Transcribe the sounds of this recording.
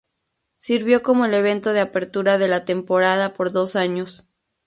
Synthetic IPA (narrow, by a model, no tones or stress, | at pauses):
siɾβjo̞ko̞mo̞ele̞β̞e̞nt̪o̞ð̞eape̞ɾt̪uɾaðe̞lat̪e̞mpo̞ɾað̞apo̞ɾðo̞saɲo̞s